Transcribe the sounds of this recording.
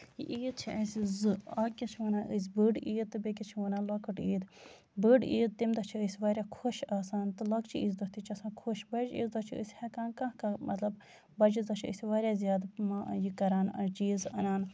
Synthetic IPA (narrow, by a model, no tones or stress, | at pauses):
jiʔiːd̪̚t͡ʃʰiʔɐsʲizɨɐkkʲːit͡ʃʰʋɐnãːʔɨs̬ʲbəɖiːd̪̚t̪ːɨbekʲit͡ʃʰiʋɐnaːlɐkɨʈiːd̪ | bəːɖḭːd̪̚t̪imd̪ɐt͡ʃʰiəsʲʋaːɾʲakʰoʃaːsaːnt̪ɨlɐkt͡ʃʰiiːzd̪ɐst̪it͡ʃʰɐsãːkʰoʃbɐd͡ʒḭːzd̪ɐt͡ʃʰiə̰sʲhɛkãːnkɐ̃kːmɐt̪lɐb | bɐd͡ʒizɐt͡ʃʰiɨ̰sʲʋaːɾʲjaːzijaːd̪majikɐɾaːnɐ̰d͡ʒiːzɐ̰naːn